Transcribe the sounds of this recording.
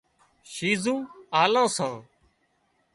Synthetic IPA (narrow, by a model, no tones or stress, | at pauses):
ʃiːzũːaːlãːsãː